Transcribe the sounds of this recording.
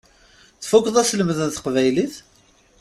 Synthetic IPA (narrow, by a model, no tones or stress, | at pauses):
θfukːðˤæsləmðənθə̥qvæjliθ